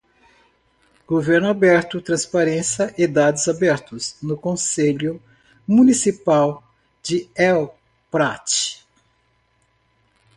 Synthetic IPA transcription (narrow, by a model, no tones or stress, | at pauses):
ɡ̥oveɾnʊabɛɾt̪ʊt̪ɾɐ̃spaɾẽsjɐʔɪd̪ad̪ʊzabɛɾt̪ʊznʊkõseʎʊ | mũnisipaw | d͡ʒɪɛw | pɾat͡ʃɪ̥